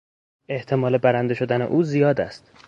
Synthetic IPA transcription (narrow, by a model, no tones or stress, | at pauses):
e̞ht̪ʰe̞mɒːle̞bæɾænd̪e̞ʃo̞d̪æne̞̰ʔuːzijɒːd̪æ̰st̪